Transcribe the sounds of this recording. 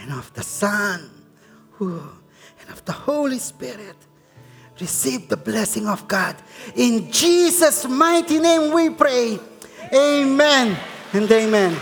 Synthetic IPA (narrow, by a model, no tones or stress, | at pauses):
ɛ̃nɔvðəsʌn | hu | ɛ̃nʌvðəhoʊlispɪɹɪt̚ | ɹisivðəblɛsɪ̃ŋɔvɡɑdɪ̃nd͡ʒizəsmaɪtinẽmwipʰɹeeɪmɛ̃nɛ̃neɪmɛ̃n